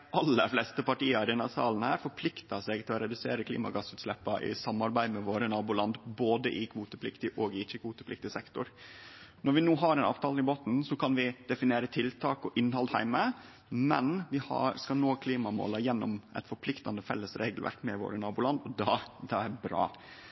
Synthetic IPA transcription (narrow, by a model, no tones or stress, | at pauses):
ʔɑlːəflɛst̪əpɑʈiːɑɾɪnɑsɑ̰ːln̩hæːɾfɔɾpʰlɪkt̪ɑsɛɡt̪ʰɪlɔɾɛd̪ʉsḛːɾəkʰlḭːmɑ̰ɡɑsʉːt̪slɛpːɑʔɪ̰sɑmːɑɾbæɪd̪mɛʋoːɾənɑːbʊlɑnd̪boːd̪əʔɪkʰʋuːt̪əpʰlɪkt̪ɪʔɔːɡɪɪt͡ʃːəkʰʋuːt̪əpʰlɪk̚t̪ɪsɛkt̪ʊɾ | nɔɾʋɪnuːɦɑɾɛnɑ̰ʋt̪ʰɑːləɪboːt̪n̩sɔkʰɑnʋɪd̪̥ɛfɪneːɾət̪ʰɪlt̪ʰɑːkɔʔɪnːhɑld̪hæ̰ɪmə | mɛnʋɪhɑ̰ɾskɑnoːkʰliːmɑmo̰ːlɑjɛnːɔmʔɛ̰t̪fɔɾpʰlɪkt̪ɑnd̪əfɛ̰lːəsɾḛːɡlʋæ̰ɾkmɛʋo̰ːɾənɑːbuʊlɑnd̪ɔd̪ɑd̪ɑæɾbɾɑ̰ː